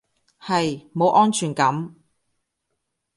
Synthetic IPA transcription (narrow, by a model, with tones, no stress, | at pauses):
hɐ˨jmo˨˧wʔɔː˥nt͡ʃʰyː˨˩nkɐ˨˥m